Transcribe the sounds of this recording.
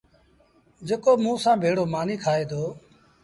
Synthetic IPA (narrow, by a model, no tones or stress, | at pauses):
d͡ʒeːkoːmũːsãːbʱeːɽoːmaːniːkʰaːeːd̪oː